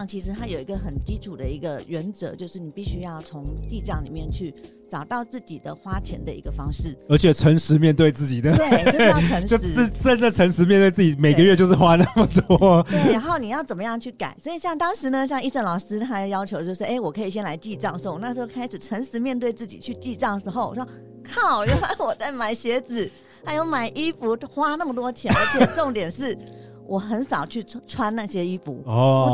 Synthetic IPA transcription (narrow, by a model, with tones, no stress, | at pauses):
ŋt͡ɕʰi˧˥ʂɻ̩˧˥t̪ʰa˥jo˨˩ʊi˧˥ɡə˧xə˨˩nt͡ɕi˥ʈ͡ʂʰu˨˩d̪ə˦i˧˥ɡə˧ɥɛ˧˥nt͡sɤ̰˧˥t͡ɕjo˥˧ʊʂɻ̩˥˩ni˨˩pi˥˩ɕy˥jɑ˥˩ʊt͡sʰʊ˧˥ŋt̪i˥˧ʈ͡ʂɑ˥˩ŋlḭ˨˩mjɛ˥˨nt͡ɕʰy˥˩ | ʈ͡ʂɑ˨˩ʊt̪ɑ˥˧ʊt͡sɹ̩˥˩t͡ɕi˨˩d̪ə˦xwa˥t͡ɕʰjɛ̰˧˥nd̪ə˧ḭ˧˥ɡə˧fɑ˥ŋʂɻ̩˥˩ə˞˧˥t͡ɕʰjɛ˨˩ʈ͡ʂʰə˧˥ŋʂɻ̩˧˥mjɛ˥˧nt̪we˥˧ɪt͡sɹ̩˥˩t͡ɕi˨˩d̪ə˦e˥ə˧˥ŋo˥˧˥ʂə˥˧nʈ͡ʂə˥˩ʈ͡ʂʰə˧˥ŋʂɻ̩˧˥mjɛ˥˧nt̪we˥˧ɪt͡s̬̩˥˩t͡ɕi˨˩me˨˩ɡə˦jɥɛ˥˧t͡ɕjo˥˧ʂɻ̩˥˩xwa˥na˥˩mə˩t̪wɔ˥a˧˥˦xo˥˩ʊni˨˩jɑ˥˩ʊt͡sə˨˩nmə˦jɑ˥˧ŋt͡ɕʰy˥˩ka̰˨˩˦ɪswɔ˧˥i˨˩ɕjɑ˥˩ŋt̪ɑ˥ŋʂɻ̩˧˥nə˧ɕ̬jɑ˥˧ŋi˥˧ʈ͡ʂə˥˩nlɑ˨˩ʊʂɻ̩˥˧t̪ʰa˧˥˧jɑ˥ʊt͡ɕʰo˧˥t͡ɕjo˥˧ʊʂɻ̩˥˩ʔe˥˩ɪwɔ˨˩kʰɤ˧˥i˨˩ɕ̬jɛ˥nla˧˥ɪt͡ɕi˥˧ʈ͡ʂɑ˥˧ŋʂo˥˧ŋna˥˧t͡ɕjo˥˩ʊkʰa˥ɪʂɻ̩˨˩ʈ͡ʂʰə˧˥ŋʂɻ̩˧˥mjɛ˥˧nt̪we˥˧ɪt͡sɹ̩˥˩t͡ɕḭ˨˩t͡ɕʰy˥˧t͡ɕi˥˧ʈ͡ʂɑ˥˩ŋʂɻ̩˧˥xo˥˧ʊ˨˩˥ | kʰɑ˥˩ʊo˥a˥˩wɔ˨˩t͡sa˥˩ɪma˨˩ɪɕjɛ˧˥t͡sɹ̩˨˩˦ | xa˧˥ɪjo˧˥ʊma˨˩ɪʔi˥fu˧˥xwa˥na˥˩mə˩t̪wɔ˥t̪ʰjɛ˧˥nə˞˧˥t͡ɕʰjɛ˨˩ʈ͡ʂo˥˩ŋt̪jɛ˨˩nʂɻ̩˥˩ | wʔɔ˨˩xə˧˥nsɑ˨˩ʊt͡ɕʰy˥˩ʈ͡ʂʰwa˥nna˥˩ɕjɛ˥i˥fṵ˧˥ɔ˧˥